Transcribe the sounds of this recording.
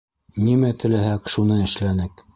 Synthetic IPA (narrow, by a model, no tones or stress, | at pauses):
nimæt̪ɘ̆læhækʃunɤɘ̆ʃlænɘk